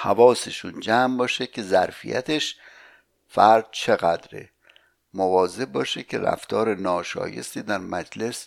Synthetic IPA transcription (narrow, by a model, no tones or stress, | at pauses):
hævɒːseʃund͡ʒæːmbɒːʃecʲʰe̞zæɾfḭjʔæ̰t̪ʰeʃ | fæɾd̪̥̚t͡ʃʰeɣæd̪ɾḛ | movɒːze̞b̚bɒːʃecʰe̞ɾæ̰ft̪ʰɒːɾenɒːʃɒ̰ːje̞̰st̪iːd̪æɾmæd͡ʒle̞s